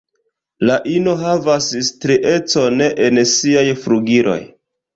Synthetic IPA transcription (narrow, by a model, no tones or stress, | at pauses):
laʔino̞ɦavasstɾiʔe̞t͡so̞ne̞ʔensiajfɾuɡiɾʔo̞̰j